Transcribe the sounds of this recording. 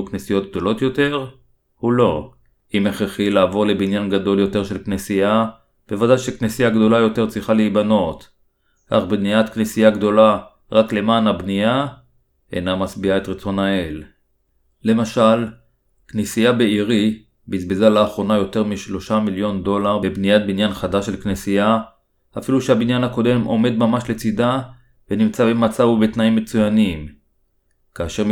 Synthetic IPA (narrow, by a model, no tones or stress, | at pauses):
uknesijo̞t̪̚ɡ̚d̪o̞lo̞t̪jo̞te̞ʁ | hulo̞ | imeχeχilaːvo̞ʁle̞binjanɡad̪o̞ljo̞te̞ʁʃe̞lknesija | b̥e̞vadajʃe̞knesijaɡd̪o̞lajo̞te̞ʁt͡sʁiχaleibano̞t̪ | kaχbniat̪knesijaɡd̪o̞la | ʁakle̞maːnabnia | ḛnamat͡sbiae̞t̪ʁet͡so̞naelː | e̞maʃal | knesijabeiʁi | bizbezalaːχʁo̞najo̞te̞ʁmiʃlo̞ʃamiljo̞nd̪o̞laʁbebnijat̪̚binjanχadaʃelknesija | afiluʃeabinjanhako̞de̞mʔo̞̰me̞d̪mamaʃle̞t͡sida | venimt͡sabemat͡savube̞t̪naimːe̞t͡sujanim | kaːʃe̞ʁ